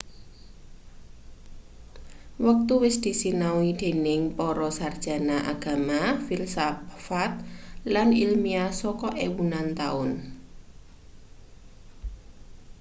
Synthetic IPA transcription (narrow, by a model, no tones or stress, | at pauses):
wək̚t̪uwɪsd̪̥i̤sinawid̪̥e̤nɪŋpɔɾɔsard̥ʒ̥a̤naʔa̰ɡ̥a̤mafilsafat̪̚lanilmiasɔkɔʔewunant̪a̰ʊn